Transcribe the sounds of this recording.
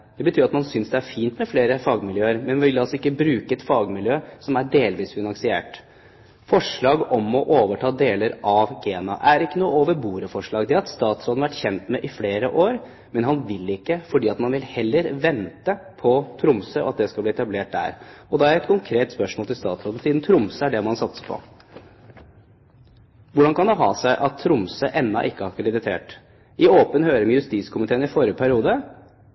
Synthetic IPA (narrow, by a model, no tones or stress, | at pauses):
d̪̥ɛbət̪ʰyːɾɑt̪mɑnsʏnsd̪ɛæɾfiːnt̪mɛfleːɾəfɑːɡmɪljøːəɾmɛnmɪʋɪlːɑlsɔɪkːəbɾʉːkəɛt̪fɑːɡmɪljøːsɔmæɖeːlʋiːsfɪnɑŋsɪḛːʈ | fɔʂɭɑːɡɔmɔʔoːʋəʈʰɑːd̪eːləɾʔɑʋɡeːnɑ̰ʔæɾɪkːənuːəoːʋəɾbuːɾəfɔʂɭɑːɡd̪ɛɑt̪st̪ɑːt̪sɾoːd̪nɑʋæʈːçɛnt̪mɛʔɪfleːɾə̰ʔoːɾ | mɛnɦɑnʋɪlɪkːəfɔɖiːɑt̪mɑnʋɪlhɛlːəɾʋɛnt̪əpʰɔt̪ʰɾʊmsəʔɔɑt̪̚d̪ɛskɑlb̪iːɛt̪ɑbleːʈ̚d̪æ̰ːɾɔd̪ɛæɾɛt̪kʰʊŋkʰɾeːt̪spœʂmɔːlt̪ʰɪlst̪ɑːt̪sɾoːd̪n̩siːd̪n̩t̪ʰɾʊmsəæɖɛmɔhɑnsɑt̪sə̥pʰɔ̰ | ʋʊɖɑnkɑnd̪ɛɦɑ̰ːsæɪʔɑt̪ʰːɾʊmsəʔɛnːɑ̰ʔɪkːəɑkʰʋɑlɪd̪ɪt̪ʰḛːʈ | ɪoːpənhøːɾəmɛjʉst̪iːskʰʊmɪt̪ʰeːənɪfɔɾəpʰæɾɪuːd̪ə